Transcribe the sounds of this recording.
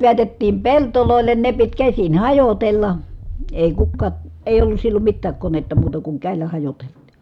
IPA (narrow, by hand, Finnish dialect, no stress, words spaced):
ʋeætetːiːm peltoloˑelːen ne pit kæsin hɑjotelːɑ eˑi kukːɑː eˑi̯j olːus silːom mitːæːk konetːɑ muːtɑ kuŋ kæˑi̯lːæ hɑjoteltˑi̥